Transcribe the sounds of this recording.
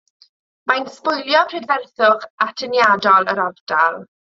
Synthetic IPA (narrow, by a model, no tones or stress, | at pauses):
majnspʊjlˠjɔpʰrɛdvɛrθʊχatʰənjadɔlˠəɾɔvd̥alˠ